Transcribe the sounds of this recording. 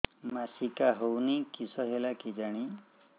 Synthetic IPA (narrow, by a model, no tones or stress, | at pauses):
masikaɦownikisɔɦelakid͡ʒaɽ̃i